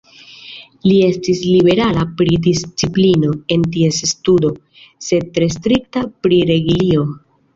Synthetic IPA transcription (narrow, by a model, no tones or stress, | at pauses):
lie̞stislibe̞ɾalapɾidist͡siplino̞e̞ntie̞sstudo̞ | se̞d̚tɾe̞s̬tɾiktapɾiɾe̞ɡilio̞